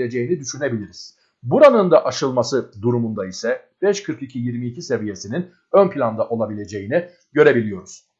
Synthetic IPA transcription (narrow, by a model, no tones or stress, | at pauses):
lʲed͡ʒe̞jinid̪yʃyne̞bilʲiɾiz̥ | buɾanɯnd̪aʔaʃɯlˠmasɯd̪uɾumund̪aisɛ | b̥ɛʃkʰɯɾkicʰijiɾmiːcʰise̞vije̞sinin | ønpʰilʲand̪aʔo̞lˠabilʲe̞d͡ʒe̞jini | ɟø̞ɾe̞bilʲijo̞ɾuz̥